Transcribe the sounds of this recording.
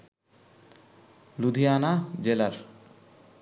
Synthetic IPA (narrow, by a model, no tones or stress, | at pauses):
lud̪ʱijanad͡ʑelaɾ